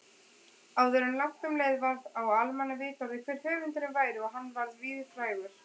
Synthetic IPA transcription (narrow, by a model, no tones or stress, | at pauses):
aːwðœɾʏnlaht̪ʏmleːjðvaɾðawalmɛnːavɪːt̪awðɪkʰv̥ɛːɾ̥hœːvɪnt̪ɪnɪvaːjɾɪɔɦanːvaɾðviːðɪfɾaːjɣʏɾ̥